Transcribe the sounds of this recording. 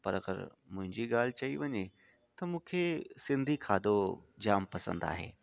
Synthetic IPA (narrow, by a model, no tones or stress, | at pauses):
pɐɾɐɡə̰ɾ | mʊ̃ɦɪ̃ɲd͡ʑiɡaːl̤ɪt͡ɕɐiʋɐɲe | t̪ɐmũːkʰesɪ̃nd̪ʱikʰaːd̪ʱod͡ʑaːmpɐsə̰̃nd̪a̰ːɦḛː